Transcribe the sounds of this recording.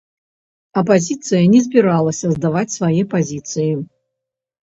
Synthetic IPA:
ɐpazʲit̪sɨjɐnʲɛzʲbʲiɾalˠɐsʲɐzd̪avat͡sʲsvajɛpazʲit̪sɨji

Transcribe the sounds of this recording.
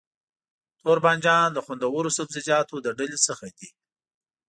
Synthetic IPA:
t̪oɾbɑnd͡ʒɑnləxʊnd̪awəɾosabzɪd͡ʒɑt̪od̪əɖalesəxad̪i

